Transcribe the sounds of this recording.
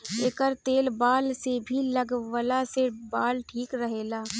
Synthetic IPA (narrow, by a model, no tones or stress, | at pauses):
eːkəɾt̪eːlbaːlsebʱiləɡwəlasebaːlʈʰiːkɾəɦeːlaː